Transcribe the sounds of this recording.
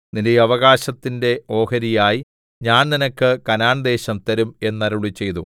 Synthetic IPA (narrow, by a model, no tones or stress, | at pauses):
ninejɐʋɐɣaːɕɐt̪ːinde̞o̞ːhɐɾijaːji | ɲaːnninɐkːɨkɐnaːnd̪e̞ːɕɐmt̪ɐɾume̞nːɐɾuɭit͡ɕːe̞jt̪u